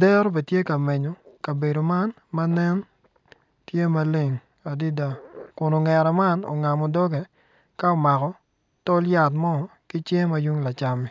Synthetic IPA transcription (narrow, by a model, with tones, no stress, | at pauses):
dɛ˦ɾo˦be˨tje˦ka˨me˨ɲo˨ka˨be˨do˨ma˦n | ma˦nɛ˦n | tje˦ma˦le˨ŋ | a˨di˦da˨kʊ˨no˨ŋɛ˨ɾɛ˨ma˦no̰˨ŋa˨mɔ˨dɔ˦ɡe˨ | ka˦ɔ˨ma˨kɔ˨ | tɔ˦lja˨tmɔ˦˨ | kɪ˦t͡ʃje˦ma˦ju˦ŋla˨t͡ʃa˨mi˨